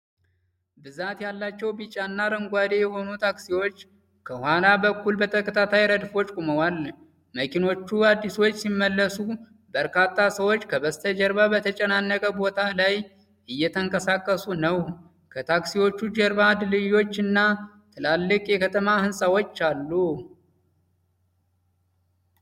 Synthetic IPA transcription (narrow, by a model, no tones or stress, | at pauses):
bɨzat̪jalːat͡ʃːɛwbit͡ʃʼanːaɾəŋɡʷad̪ejɛho̞nut̪ʰaksiwo̞t͡ʃː | kʰəhwalabəkːulbət̪ʰəkʰʼət̪ʰat̪ʰajɾəd̪fo̞t͡ʃʼkʼuməwal | məkʰino̞t͡ʃːuad̪ːiswo̞t͡ʃːsimːəlːəsu | bəɾkʰat̪ːasəwot͡ʃːkʰəbəst̪ʰəd͡ʒɛɾbabət̪ʰət͡ʃʼɛnanːəkʼəbo̞t̪ʰalaj | ʔɨjːɛt̪ʰəŋkʼəsakʼːəsunəw | kʰət̪ʰaksiwo̞t͡ʃːud͡ʒɛɾbad̪lɨjo̞t͡ʃːɨnːa | t̪ʰɨlalːɨkʼjɛkʰət̪ʰəmahɨnsʼawo̞t͡ʃːalːu